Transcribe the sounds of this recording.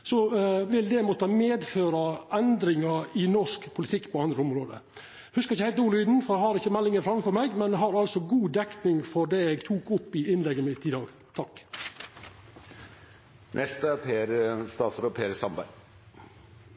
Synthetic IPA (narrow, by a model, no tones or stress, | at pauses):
sɔʋɪld̪ɛmɔt̪əmeːd̪føːɾɑɛnd̪ɾɪŋɑɪnɔʂkpʰʊlɪt̪ʰɪkːpʰɔɑnd̪ɾəʊmɾoːd̪ə̰ | hʉskɑɾɪçːəhæɪlt̪uːlyːd̪n̩fɔɾɛhɑɾɪçːəmɛlːɪŋəfɾɑmfɔɾmɛɡmɛnɛɦɑɾɑlsɔɡuːd̪ɛkt̪nɪŋfɔɖɛɛɡt̪ʰuːkʊpːɪɪnlɛɡːəmɪt̪ɪd̪ɑːɡ | t̪ʰɑk | nʔɛst̪əpʰeːɾst̪ɑːsɾoːpʰeːɾəsɑmbæ̰ɪ